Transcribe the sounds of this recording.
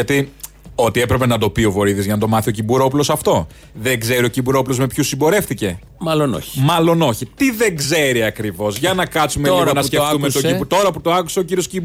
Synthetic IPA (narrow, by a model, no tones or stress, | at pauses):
ɐt̪i | o̞t̪ie̞pɾe̞pe̞nɐd̪o̞pio̞vo̞ɾiðizʝɐnɐd̪o̞mɐθio̞cibuɾo̞p̬ulo̞sɐft̪o̞ | ðe̞ŋɡze̞ɾio̞cibuɾo̞pulo̞zme̞pçusimbo̞ɾe̞fθice̞ | mɐlono̰çi̥mɐlo̞no̞çit̪iðe̞ɡze̞ɾiɐkɾivo̞zʝɐnɐkɐt͡sumeiɐnɐskeumet̪oibut̪o̞ɾɐput̪oɐku̥sɐociɾioscib